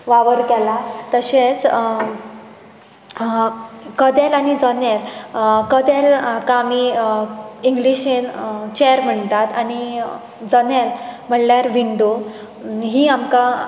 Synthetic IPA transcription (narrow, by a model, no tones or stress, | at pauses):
ʋaʋəɾkɛlat̪əɕet͡s | kəd̪ɛlanid͡zənɛɾkəd̪ɛlkãmi | iŋɡliɕent͡ɕeəɾm̤əɳt̪at̪ani | d͡zənɛlm̤əɳljaɾʋiɳɖo | ɦiːamka